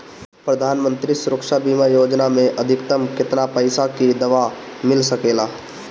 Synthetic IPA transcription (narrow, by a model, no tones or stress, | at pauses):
pɾɐd̪ʱaːnmə̃nt̪ɾisʊɾəkʃabiːmajoːd͡ʒnamẽʔɐd̪ʱɪkt̪əmkɪt̪napəɪsakid̪ɐʋamɪlsɐkeːlaː